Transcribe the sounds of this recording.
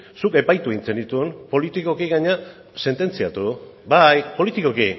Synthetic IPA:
suke̞pajt̪ueint͡se̞nd̪it̪uumpo̞lit̪iko̞kiɣaɲa | se̞nt̪e̞nt͡siat̪ubajpo̞lit̪ikoki

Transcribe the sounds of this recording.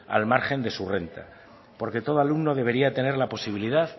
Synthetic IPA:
a̰lmaɾxe̞nd̪e̞sure̞nt̪a̰ | po̞ɾke̞t̪o̞ðoalumno̞ðe̞β̞e̞ɾiat̪e̞neɾlapo̞siβ̞iliðað

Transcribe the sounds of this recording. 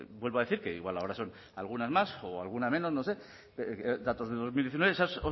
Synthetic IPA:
bwelβoaðe̞θiɾke̞ḭɣwalaoɾaso̞n | alɣ̞unazmasoa̰lɣ̞unameno̞zno̞se̞ | d̪at̪o̞zðe̞lðo̞zmiljeθinweesaso

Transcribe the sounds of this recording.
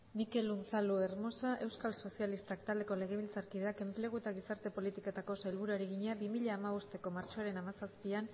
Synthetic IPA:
mike̞lunt͡salue̞ɾmo̞saʔe̞wskalso̞sialist̪akt̪ald̪e̞ko̞le̞ɣ̞e̞β̞ilt͡saɾkiðe̞ake̞mple̞ɣ̞uet̪aɣisaɾt̪e̞po̞lit̪ikoet̪ako̞saelβuɾuaɾeɣ̞iɲeaβimiʎaːmaβost̪e̞ko̞maɾt͡ʃoaɾe̞namasaspian

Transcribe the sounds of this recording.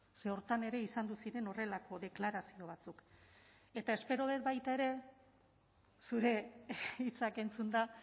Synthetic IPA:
se̞o̞ɾt̪ane̞ɾe̞isand̪usiɾe̞no̞re̞lako̞ðe̞klaɾasio̞β̞at͡suk | e̞t̪ae̞spe̞ɾoβe̞t̪̚bajt̪ae̞ɾe̞ | suɾe̞it͡sake̞nt͡sund̪a

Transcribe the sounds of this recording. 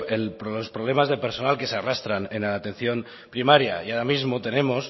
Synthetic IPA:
elpɾolospɾoβ̞le̞mazðepe̞ɾso̞nalke̞searast̪ɾanenaat̪ẽ̞n̟θjo̞n | pɾimaɾja̰iaɾamizmot̪e̞ne̞mos

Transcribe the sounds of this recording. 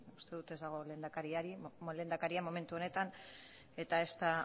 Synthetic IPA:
ust̪e̞ðut̪e̞zd̪aɣ̞o̞le̞ːnd̪akaɾiaɾile̞ːnd̪akaɾiamo̞me̞nt̪uo̞ne̞t̪an | e̞t̪ae̞st̪a

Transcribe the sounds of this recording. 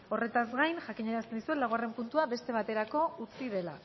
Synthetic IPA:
o̞re̞t̪azɡajnʝakiɲeɾast̪end̪isue̞nlːawɣare̞mpunt̪uaβe̞st̪e̞β̞at̪e̞ɾako̞ut͡sið̞e̞la̰

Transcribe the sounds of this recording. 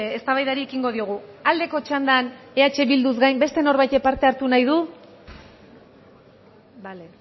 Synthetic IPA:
est̪aβajðaɾiekiŋɡo̞ð̞ioɣ̞uald̪e̞ko̞t͡ʃand̪ane̞at͡ʃe̞βild̪uzɡajmbe̞st̪e̞no̞ɾβajt̪epaɾt̪e̞aɾt̪unajðu | bale

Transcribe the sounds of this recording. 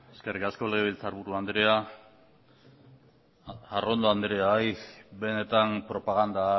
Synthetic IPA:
eskerikasko̞le̞ɣ̞eβilt͡saːɾβuɾuand̪ɾea | aro̞nd̪oand̪ɾeajbe̞ne̞t̪ampɾo̞paɣ̞and̪a

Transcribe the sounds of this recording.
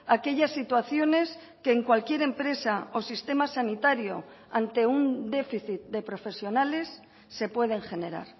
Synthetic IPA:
ake̞ʎasːit̪waθjo̞ne̞s | ke̞ːŋkwalkje̞ɾe̞mpɾe̞saosist̪e̞masanit̪aɾjo̞ | ant̪e̞und̪e̞fiθit̪̚d̪e̞pɾo̞fe̞sjo̞nale̞sː | e̞pwe̞ð̞e̞ŋxe̞ne̞ɾa̰ɾ

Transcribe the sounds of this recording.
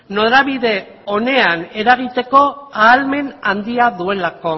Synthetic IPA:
no̞ɾaβiðe̞ | o̞ne̞ane̞ɾaɣ̞it̪e̞ko̞aːlme̞nand̪iaðue̞lako̞

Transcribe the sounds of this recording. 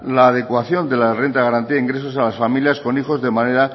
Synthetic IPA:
laːð̞e̞kwaθjo̞nd̪e̞lare̞nt̪aɣaɾant̪iaiŋɡɾe̞s̬o̞salasfamiljasko̞nixo̞zðe̞maneɾa

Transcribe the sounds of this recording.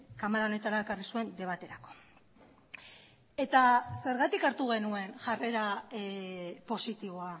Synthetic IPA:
kamalaonet̪aɾaekarisue̞nd̪e̞β̞at̪eɾako̞ | e̞t̪ase̞ɾɣat̪ikaɾt̪uɣ̞e̞nue̞nʝare̞ɾa | po̞sit̪iβ̞o̞a

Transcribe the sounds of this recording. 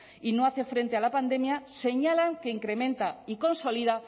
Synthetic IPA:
ino̞aθefɾe̞nt̪ealapand̪e̞mjase̞ɲalaŋke̞iŋkɾe̞mẽnt̪aiko̞nso̞liða

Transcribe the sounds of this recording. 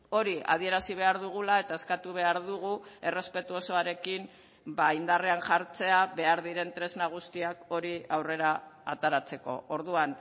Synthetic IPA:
o̞ɾia̰ð̞ie̞ɾasiβ̞e̞aɾðuɣ̞ulae̞t̪ae̞skat̪uβ̞e̞aɾðuɣ̞ue̞re̞spe̞t̪uo̞so̞aɾe̞kim | baind̪areanʝaɾt͡se̞aβe̞aɾðiɾe̞nt̪ɾe̞znaɣ̞ust̪iako̞ɾiawre̞ɾaːt̪aɾat͡se̞ko̞̰oɾðuan

